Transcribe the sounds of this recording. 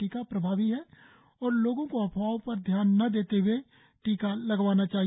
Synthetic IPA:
iːkapɾəbʱaːʋiɦɛ | ɔːɾloːɡõkoɐpʰaːopɐɾd̪ʱjaːnːɐd̪eːt̪ewe | ʈiːkalɐɡʋaːnat͡ʃaːɦi

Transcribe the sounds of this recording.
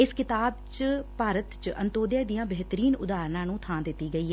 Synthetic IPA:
ɪskɪt̪aːb̚t͡ʃpaːɾət̪t͡ʃʔə̰nt̪oːd̪jaːd̪ijãːbɛɦt̪əɾiːnʊd̪aːɾnãːnũːt̪ʰãːd̪ɪt̪ːiːɡəiːɦɛː

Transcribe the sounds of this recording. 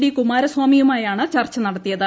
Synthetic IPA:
ɽikumaːɾɐswaːmijumaːjaːɳɨt͡ɕɐrt͡ɕːɐnɐɽɐt̪ːijɐðɨ

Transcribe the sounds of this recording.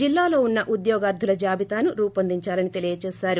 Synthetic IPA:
d͡ʒilːaːlo̞ːunːɐʔud̪jɔːɡaːɾd̪ʱulɐd͡ʒaːbit̪aːnuɾuːpɐnd̪iɲt͡ʃaːlɐnit̪e̞lijɐt͡ʃɛːsaːɾu

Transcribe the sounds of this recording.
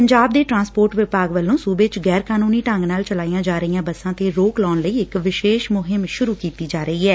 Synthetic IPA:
pəɲd͡ʒaːb̚d̪eːʈɾãːnspoːɾʈʋɪpaːɡʋəlːõːsuːbet͡ʃɡɛːɾkaːnuːniːʈə̃ŋɡnaːlt͡ʃəlaːijãːd͡ʒaːɾəijãːbəsãːt̪eːɾoːklɔːnləiːɪkʋɪʃeːʃmʊɦɪmʃʊɾuːkiːt̪iːd͡ʒaːɾəiːɛː

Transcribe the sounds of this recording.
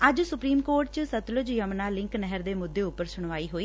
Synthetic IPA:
əd͡ʒsʊpɾiːmkoːʈ̚t͡ʃsət̪lʊd͡ʒjəmnaːlɪ̃ŋknɛɦəɾd̪eːmʊd̪ːeːʊpːəɾsʊɳ̃ʋaːiːɦoːiː

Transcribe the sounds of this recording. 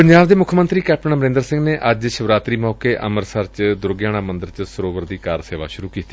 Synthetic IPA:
pəɲd͡ʒaːʋd̪eːmʊkʰmənt̪ɾiːkɛːp̚ʈəɳməɾẽːnd̪əɾsɪ̃ŋɡneːʔəd͡ʒʃəʋɾaːt̪ɾiːmɔːkeːʔəməɾsəɾt͡ʃd̪ʊɾɡjaːɽ̃aːmənd̪əɾt͡ʃsəɾoːʋəɾd̪iːkaːɾseːʋa̰ːʃʊɾuːkiːt̪i̥ː

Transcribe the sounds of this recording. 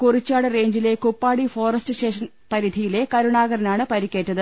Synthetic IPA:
kurit͡ɕːaːɽɨre̞ːɲd͡ʑile̞kupːaːɽifo̞ːrɐstɨɕeːʂɐn | pɐɾid̪ʱijile̞kɐɾuɳaːɣɐɾɐnaːɳɨpɐɾikʲːe̞ːtːɐðɨ

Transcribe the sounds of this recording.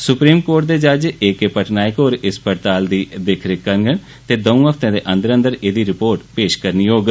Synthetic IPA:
sʊpɾiːmkoːʈ̚d̪eːd͡ʒaːd͡ʒekepəʈnaːɪkoːɾɪspəɾt̪aːld̪iːd̪ekʰɾekəɾɡən | t̪eːd̪əũːɦəpʰt̪ẽːd̪eːʔə̃nd̪əɾə̃nd̪əɾeːd̪iːɾɪpoːɾʈpeːʃkəɾniːɦoːɡ

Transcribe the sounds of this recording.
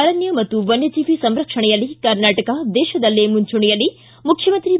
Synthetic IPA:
ɐɾɐnjɐmɐt̪ːuʋɐnjɐt͡ʃiːpisɐmɾɐkʂɐɳɐjɐlːikɐɾnaːʈɐkɐd̪ɛːʃɐd̪ɐlːeːmuɲt͡ʃuɳijɐlːi | mukʰjɐmɐnt̪ɾi

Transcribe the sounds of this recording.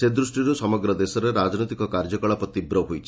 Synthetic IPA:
sed̪ɾusʈiɾusɔmɔɡɾɔd̪esɔɾeɾad͡ʒnot̪ikɔkaɾd͡ʒɔkɔɭapɔt̪ibɾɔɦojt͡ʃʰi

